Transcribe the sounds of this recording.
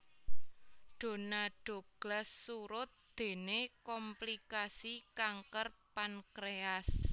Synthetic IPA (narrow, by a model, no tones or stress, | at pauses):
ɖ̪̥o̤naɖ̥o̤ɡ̥lasːuɾʊt̪̚d̪̥e̤nekɔmplikasikaŋkərpankɾeas